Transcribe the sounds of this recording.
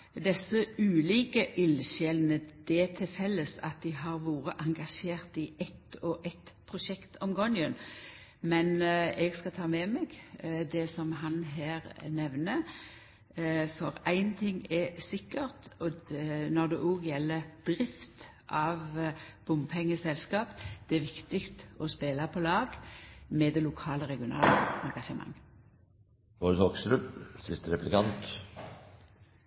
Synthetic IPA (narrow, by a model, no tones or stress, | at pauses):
d̪ɛsːəʉːliːkəʔɪlʃɛlnəd̪̥ɛt̪ʰɪlfɛlːəsɑ̰t̪̚d̪ɪɦɑʁʋoːʁəʔɑŋɡɑʃeːʁt̪iɛt̪ɔʔɛt̪pʰʁʊʃɛkt̪ʰɔmɡɔnjən | mɛnɛɡskɑt̪ʰɑːmɛmɛɡd̪ɛsɔmɦɑnɦæːɾnɛʋnə | fɔɾæɪnt̪ʰɪŋɛsɪkːəʁt̪ɔnɔʁd̪ɛʔoːɡjɛlːəd̪̥ʁɪft̪ | ʔɑʋb̥ʊmpʰɛŋːəsɛlskɑːpd̪̥ɛæʋɪkt̪ɪkt̪ɔspeːlɑpʰɔlɑːɡmɛd̪ɛlʊkʰɑːləʁɛɡɪʊnɑ̰ːləɑŋɡɑʃəmɑ̰ŋː | ʋoɾt̪ʰoːksɾʉpsɪst̪əɾɛplɪkɑnt̪